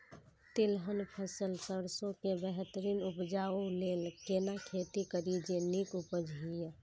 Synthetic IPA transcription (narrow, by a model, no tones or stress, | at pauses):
t̪ilɦənpʰəsəlsəɽsõkebəɦɛt̪əɾinupd͡ʒaulelkenakʰet̪ikəɾid͡ʒenikupəd͡ʒʱɦijə